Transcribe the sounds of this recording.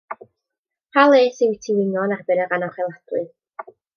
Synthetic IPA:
pʰalˠeːsiwitʰiwɪnɔnarbɪɾəranɔχɛlˠadrɨ

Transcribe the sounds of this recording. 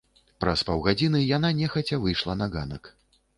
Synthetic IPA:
pɾɐspɐwɣad͡zʲinɨjananʲɛxɐt͡sʲɐvɨjʂlˠɐnɐɣanɐk

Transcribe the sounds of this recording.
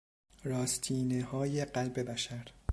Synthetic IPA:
ɾɒːst̪ʰiːnehɒːje̞ɢælbebæʃæɾ

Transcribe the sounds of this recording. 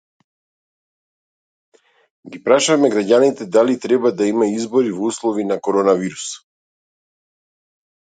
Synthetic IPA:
ɡipɾaʃamɛɡɾaɟanit̪ɛd̪alit̪ɾɛbad̪aimaizbɔɾivɔuslˠɔvinakɔɾɔnaviɾus

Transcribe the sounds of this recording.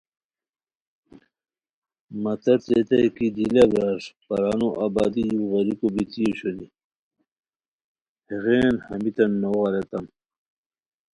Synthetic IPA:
mɐt̪ɐt̪ɾet̪ɐjkid̪ilɐbɾaʂpɐɾaːnuʔabaːd̪ijuɣɐɾikobit̪ijoɕoni | heɣeːnhɐmit̪ɐnːoʁɑɾet̪ɐm

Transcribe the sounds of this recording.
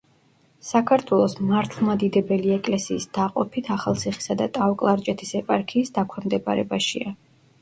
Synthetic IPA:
sakʰaɾt̪ʰwɛlˠɔsmaɾt̪ʰlˠmad̪id̪ɛbɛliɛkʼlɛsiːsd̪̥aqʼɔpʰit̪ʰaχalˠt̪sʰiχi̥sad̪at̪ʼawkʼlˠaɾt͡ʃʼɛt̪ʰisɛpʼaɾkʰiːsd̪akʷʰwɛmd̪ɛba̰ɾɛ̰baʃḭa

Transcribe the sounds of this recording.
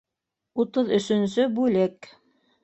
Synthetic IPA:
ut̪ɤðɵ̆ʃɵ̆ns̬ɵbʉlɘk

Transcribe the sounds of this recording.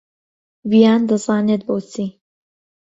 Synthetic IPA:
vijaːnd̪ɐzaːneːt̪̚boːt͡siː

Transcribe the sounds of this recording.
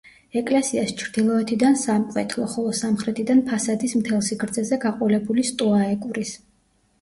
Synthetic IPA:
ɛkʼlɛsiast͡ʃʰɾd̪̥ilˠɔɛt̪ʰid̪ansamqʼwɛt̪ʰlˠɔχɔlˠɔsamχɾɛt̪ʰid̪anpʰasad̪ismt̪ʰɛlˠsiɡɾd̪zɛzɛɡaqʼɔlɛbulist̪ʼuaɛkʼuɾis

